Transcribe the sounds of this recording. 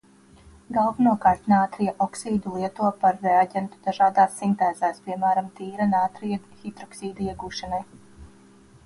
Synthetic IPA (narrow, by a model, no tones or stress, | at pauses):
ɡalˠvanuɔkaːɾt̪naːt̪ɾijaʔɔksiːd̪ulˠiɛt̪uɔpaɾːɛaɟʲɛnt̪ud̪aʒaːd̪aːsːint̪ɛːz̥æːspiɛmæːɾamt̪iːɾanaːt̪ɾijaxid̪ɾɔksiːd̪aiɛɡuːʃanaj